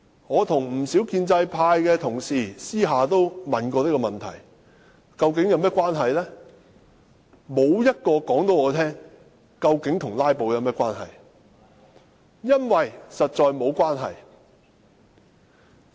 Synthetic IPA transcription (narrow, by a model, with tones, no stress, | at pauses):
ŋɔː˨˧t̪ʰʊ˨˩ŋm̩˨˩si˨˥wkiː˧nt͡sɐ˧jpʰaː˧jkɛː˧t̪ʰʊ˨˩ŋsiː˨˩siː˥ɦaː˨t̪o˥wmɐ˨nkɔː˧t̪i˥kɔː˧mɐ˨nt̪ʰɐ̰˨˩j | kɐ˧wkɪ˨˥ŋjɐ˨˧wmɛː˥kʷwaː˥nɦɐ˨jlɛː˥ | mo˨˧wjɐ˥t̚kɔː˧kɔː˨˥ŋt̪o˨˥wŋɔː˨˧t̪ʰɛː˥ŋ | kɐ˧wkɪ˨˥ŋt̪ʰʊ˨˩ŋlaː˥jpo˨wjɐ˨˧wmɛː˥kʷwaː˥nɦɐ̰˨j | jɐ˥nwɐ˨jsɐ˨t̚t͡ʃɔː˧jmo˨˧wkʷaː˥nɦɐ̰˨j